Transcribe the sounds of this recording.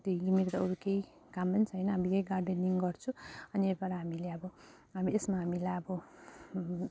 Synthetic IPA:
t̪oiɡimiɾt̪ʌoɾukei | kampʌnt͡sʰʌjnʌɦamikejɡarɖeniŋɡʌrt͡sʰũʌnieɾbaɾaɦamileʌbʌ | ɦamiesmaɦamilajʌbʌ

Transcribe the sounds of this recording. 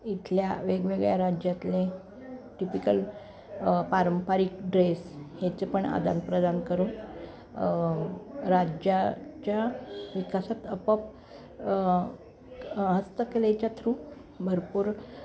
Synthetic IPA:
it̪ʰljaʋeɡʋeɡɭjaɾad͡ʑjat̪le | ʈipikəl | paɾəmpaɾik̚ɖɾeshet͡sepəɳa̰d̪a̰npɾəd̪ankəɾuːn | ɾad͡ʑat͡ɕjaʋikasat̪əpəp | ɦəst̪əkelet͡ɕjat̪ʰɾuː | bʱəɾpuːɾ

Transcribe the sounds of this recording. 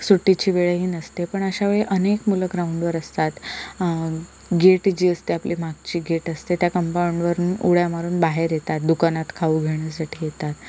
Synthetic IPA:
suʈːit͡ɕiːʋeɭeɦiːnəst̪epəɳəɕaʋeɭeʔənekmuləɡɾauɳɖʋəɾəst̪at̪ | ɡeʈd͡ʑiːəst̪eaplimaɡ̚t͡ɕiːɡeʈəst̪et̪jakəmpauɳɖʋəɾuːnuɭjamaɾuːnbaɦeɾjet̪at̪̚d̪ukanat̪kʰauɡʱeɳ̃jasaʈʰiːjet̪at̪

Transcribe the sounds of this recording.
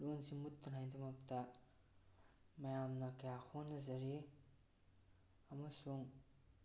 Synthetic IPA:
lunsimut̪ːɐnɦajt̪ʰɐmɐk̚tɐ | mɐjamnɐkɐjahonːɐzɐɾi | ɐmɐsuŋ

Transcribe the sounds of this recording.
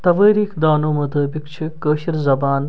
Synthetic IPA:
t̪ɐʋəːɾiːkʰd̪aːnoːmut̪ɐːbikt͡ʃʰikəːʃiɾzɐbaːn

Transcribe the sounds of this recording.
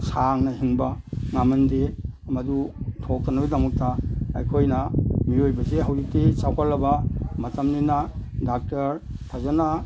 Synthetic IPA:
saŋnɐɦiŋbɐŋamɐnde | mɐdutʰok̚tɐnɐbidɐmɐk̚tɐɐjkʰojnɐmiojbɐseɦawdik̚tisawkʰalːɐbɐmɐtɐmninɐdak̚tɐɾtʰazɐna

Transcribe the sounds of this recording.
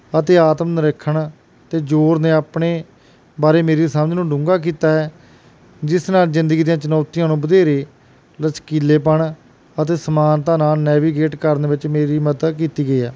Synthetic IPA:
ət̪eːaːt̪mnɾəkʰːəɳ | t̪eːd͡ʒoːɾnẽːaːpɳeː | baːɾeːmeːɾeːsamnũːɖʊ̃ŋɡaːk̬iːt̪aːɦɛː | d͡ʒɪsnaːlzɪ̃nd̪əɡiːd̪ijãːt͡ʃənɔːt̪ijãːnũːbəd̪eːɾeː | lət͡ʃkiːleːp̬əɳ | ət̪eːsəmaːnt̪ãːnaːlnɛːʋiːɡeːʈkəɾneːʋɪt͡ʃmeːɾiːmət̪əkiːt̪iːɡəiːɛː

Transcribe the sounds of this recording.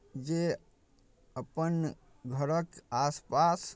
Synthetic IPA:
d͡ʒe | əpən | ɡʱəɾəkaspas

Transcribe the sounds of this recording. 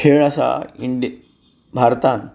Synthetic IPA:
kʰeɭasa̰iɳɖi | bʱaɾt̪an

